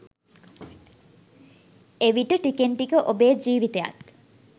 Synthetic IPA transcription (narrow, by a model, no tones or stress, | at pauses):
eʋiʈəʈikeɳʈikəʔobeːd͡ʒiːʋit̪eja̰t̪